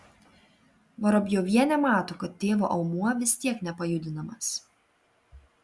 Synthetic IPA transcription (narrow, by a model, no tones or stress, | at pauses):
ʋɐɾɔbʲjoːʋʲiɛnʲɛmɑːt̪okɐt̪ːʲeːʋoːʔɐʊmuɔʋʲɪsʲt̪ʲiɛknʲɛpɐjʊd̪ʲɪnɐmɐs